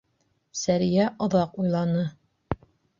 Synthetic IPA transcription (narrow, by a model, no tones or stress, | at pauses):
sæɾjæʔŏðɑqujlˠɑnɤ